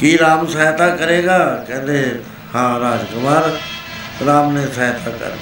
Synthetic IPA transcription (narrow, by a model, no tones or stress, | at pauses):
kiːɾaːmsaːjt̪aːkəɾeːɡaːkɛ̃ːnd̪eː | hãːɾaːd͡ʒkʊmaːɾ | ɾaːmnẽːsaːjt̪ʰaːkə̰ɾ